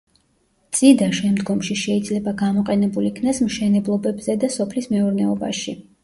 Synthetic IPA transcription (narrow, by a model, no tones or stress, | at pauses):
t̪sʼid̪aʃɛmd̪ɡɔmʃiʃɛid̪zlɛbaɡamɔqʼɛnɛbulikʰnasmʃɛnɛblˠɔbɛbzɛd̪asɔpʰlismɛuɾnɛɔba̰ʃi